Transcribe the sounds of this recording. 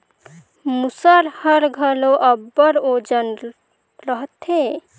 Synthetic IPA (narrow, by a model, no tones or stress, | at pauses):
musəɾhəɾɡʱəloʔəbːəɾod͡ʒən | ɾəɦt̪e